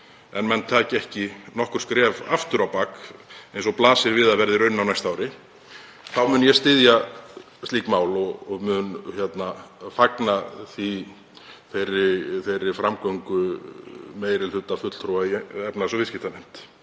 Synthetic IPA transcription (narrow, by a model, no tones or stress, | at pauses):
ɛnmɛnt̪ʰaːcɪɛhcɪnɔhkʏɾ̥skɾɛːva̰ft̪ʏɾawpakejnsɔplaːsɪɾvɪːðavɛɾðɪɾœɥnːawnajst̪aːwɾɪ | θawmʏnjɛst̪ɪðja | st̪liːkmaːwlɔɣɔɣmʏnçjɛt̪nafaknaθi | θejrɪθejɾːɪfɾamkɔŋkʏ | meːjɾɪl̥ʏt̪afʏt̪l̥θʰɾowvaiɛpnasɔvɪscɪht̪anejm̥t̪